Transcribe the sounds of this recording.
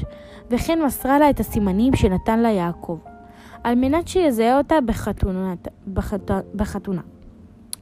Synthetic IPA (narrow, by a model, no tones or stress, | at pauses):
ve̞χenmasʁalaetasimanimʃe̞natanlajaːkʰo̞v | ʔalmenatʃejezaeotabeχat | beχatuna